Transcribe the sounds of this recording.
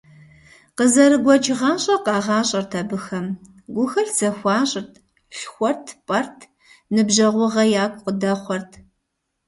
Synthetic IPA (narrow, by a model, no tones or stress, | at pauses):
qəzɐɾɨɡʷɔt͡ʃʰʼɪʁɑːɕʼɐqɑːʁɑːɕʼɐrtʰɐbɨxɐm | ɡʷʊxɐɬz̥ɐxʷɑːɕʼɪrtʰ | ɬxʷɔrtʰpʼɐrtʰ | nɨbʒɐʁʷʊʁɐjaːkʷʰʼqədɐχʷɔrtʰ